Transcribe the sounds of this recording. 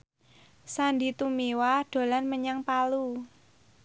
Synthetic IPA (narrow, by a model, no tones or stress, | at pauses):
sandit̪umiwaɖ̥o̤lanməɲaŋpalu